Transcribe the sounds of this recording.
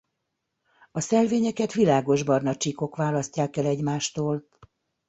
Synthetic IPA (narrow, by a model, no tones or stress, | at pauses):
ɒsɛlveːɲɛkɛt̪ʋilaːɡo̞ʒbɒrnɒt͡ʃiko̞kʋaːlɒscːaːkɛlɛɟmaːʃt̪oːl